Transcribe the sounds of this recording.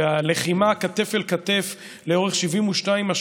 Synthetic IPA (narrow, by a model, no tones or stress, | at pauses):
aleχimaːkat̪e̞felkat̪e̞f | leo̞ʁeχʃivimuʃnaimaʃ